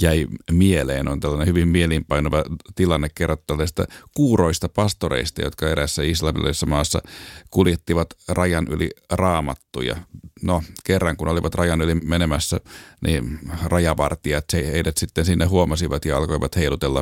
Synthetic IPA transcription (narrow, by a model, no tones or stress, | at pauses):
jæimielḛːnont̪ælːɑnehyʋimmielimpɑinoʋɑt̪ilɑnːekkerːot̪ːælːsist̪æ̰kuːroist̪ɑpɑst̪oɾḛist̪ɑ̰jot̪kɑeɾæsːæislɑmḭlɑ̰sːɑmɑːsːɑ̰kuljet̪ːiʋɑt̪rɑjɑnʔylirɑːmɑt̪ːujɑ̰nokerːɑŋkunoliʋɑt̪rɑjɑnylimenemæsːæniːnrɑjɑʋɑrt̪iɑt̪seheidæt̪sit̪ːensinːeɦuomɑsiʋɑt̪jɑɑlkoiʋɑt̪heilut̪elːɑ